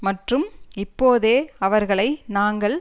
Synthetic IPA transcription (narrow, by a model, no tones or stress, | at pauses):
mɐʈrɯmɪpːoːðeːɐʋɐɾɣɐɭɐɪnaːŋɡɐɭ